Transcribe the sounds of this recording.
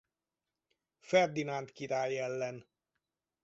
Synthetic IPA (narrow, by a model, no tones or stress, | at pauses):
fɛrd̪inant̪kiɾaːjɛlːɛn